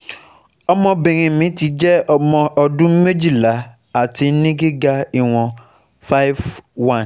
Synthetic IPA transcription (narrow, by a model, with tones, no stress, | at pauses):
ɔ˧mɔ̃˧bĩ˨ɾ̃ĩ˨mĩ˨˦ti˧˦d͡ʒɛ˦ɔ˧mɔ̃˧ʔɔ˧dũ˦mẽ˦d͡ʒi˦˨la˨˦ | a˨ti˨˧˦nĩ˦ɡi˦ɡa˧i˧w̃ɔ̃˧ | fa˦jvwã˦˨n˨